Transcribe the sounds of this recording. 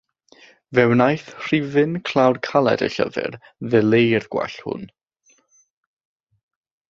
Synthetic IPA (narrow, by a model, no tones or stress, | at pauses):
vɛwnajθr̥ivɨnkʰl̥ˠawrkʰalˠɛ̰də̰ɬə̰vɨ̰r | ðɛlˠejrɡ̥wa̰ɬhʊ̰n